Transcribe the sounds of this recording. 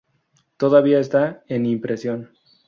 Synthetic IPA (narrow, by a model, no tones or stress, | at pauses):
t̪o̞ðaβ̞iae̞st̪aenimpɾe̞sjo̞n